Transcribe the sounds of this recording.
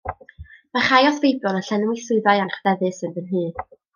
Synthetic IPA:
maχajɔθvejbjɔnaɬɛnwisʊɨðajanχd̥ɛðɨsɨnvɨnɦɨː

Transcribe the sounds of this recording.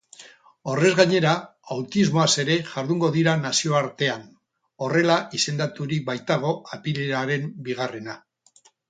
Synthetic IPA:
o̞re̞zɣaɲe̞ɾaawt̪izmo̞ase̞ɾe̞ʝaɾðuŋɡo̞ðiɾanasio̞aɾt̪e̞an | o̞re̞laise̞nd̪at̪uɾibajt̪aɣ̞o̞apileɾaɾe̞mbiɣare̞na

